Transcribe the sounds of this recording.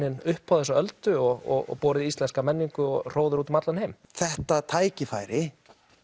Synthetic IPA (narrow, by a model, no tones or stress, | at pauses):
ɪnʏhpʰhawθɛsɔœlt̪ʏɔɣɔ̰ɣɔ̰pɔːɾɪðiist̪lɛnskamɛnːiŋkʏɔɣr̥oːwðʏɾuːt̪mat̪lanhejm | θɛht̪at̪ʰaːjcɪfaːjɾɪ